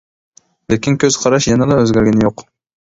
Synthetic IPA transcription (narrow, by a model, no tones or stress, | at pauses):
lekʲinkʲʰøz̥qʰɑɾɑʃjɑnɑd̪ɑøzɡʲæɾɡʲɛnɪjoq